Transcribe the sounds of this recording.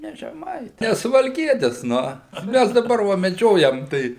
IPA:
ˈnʲɛ ʒʲɛˈmɐɪ ˈnʲɛ sʊʋɐlʲˈkʲiɛtʲɪs ˈnʊ ˈmʲæs dɐˈbɐr ʋɐ mʲɛˈd͡ʒʲoːjɛm ˈtɐɪ

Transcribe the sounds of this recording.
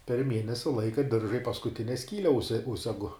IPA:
pʲɛr ˈmʲiɛnʲɛsʲɪ ˈlˠɐɪkɐ ˈdʲɪrʒɐ ɪ pɐskʊˈtʲɪnʲɛ ˈsʲkʲiːlʲɛ ˈʊʃʲsʲɛ ˈʊʃʲsʲɛɡʊ

